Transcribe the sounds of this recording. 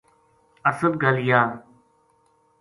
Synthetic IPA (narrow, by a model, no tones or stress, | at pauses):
əsəd̪̚ɡʱəlɪjaː